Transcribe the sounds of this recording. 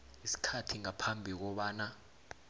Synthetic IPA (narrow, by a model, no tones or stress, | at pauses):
isi̥kʰatʰiŋapʰambʱik̬ɔɓaːna